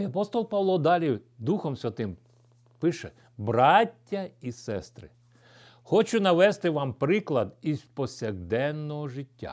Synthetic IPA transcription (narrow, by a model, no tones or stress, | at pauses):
ɐpɔst̪ɔlˠpɑʋlˠɔd̪ɑlʲi | d̪uxɔmsʲʋʲɐt̪ɪm | pɪʃɛ | bɾɑtʲːɐisɛst̪ɾɪ̰ | xɔt͡ʃʊnɐʋɛst̪ɪʋɑmpɾɪklˠɐd̪izpɔsʲɐɣd̪ɛnːɔɦɔʒɪtʲːa̰